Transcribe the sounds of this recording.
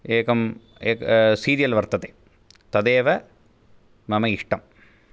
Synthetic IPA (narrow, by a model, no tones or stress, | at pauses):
eːkɐm | eːksiːɾijɐlʋɐɾt̪ɐt̪eː | t̪ɐd̪eːʋɐ | mɐmɐiʂʈɐm